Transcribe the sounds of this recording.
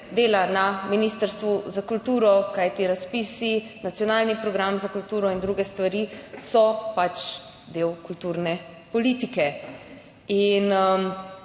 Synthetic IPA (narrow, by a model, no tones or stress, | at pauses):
d̪eːlanaminiːst̪əɾst̪ʋuzakult̪uːɾɔkajt̪iɾaspiːsi | nat̪sijɔnaːlnipɾɔɡɾamzakult̪uːɾɔind̪ɾuɡɛst̪ʋaɾisɔpat͡ʃ | d̪eːwkult̪uːɾnɛ | pɔliːt̪ikɛ | inəm